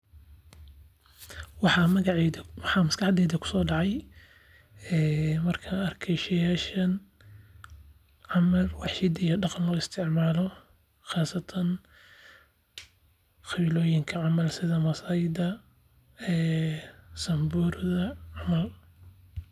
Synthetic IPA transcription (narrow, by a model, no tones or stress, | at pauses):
wɑħɑmɐɣɑʕwɑħɑmɐskɑħd̪ɛːðɐkʰʊ̥sɔːɖɑʕɑj | ɛːmɐrkʰɐɐrkʰɛjʃɐjaːʃɐn | ʕɑmɐlwɑħʃɪd̪ijɔɖɑqɑnlɔːɪst̪ʰɪʕmaːlɔ | xaːsɐt̪ʰɐn | xɑβiːlɔːjɪŋkʰɐʕɑmɐlsɪðɐmɐsaːjɪd̪ɐ | ɛː | sɐmburðɐʕɑmɐl